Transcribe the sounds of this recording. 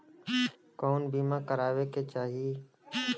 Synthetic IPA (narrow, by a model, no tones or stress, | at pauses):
koːnbiːmãːkəɾaːʋeːkeːt͡ʃaːɦiː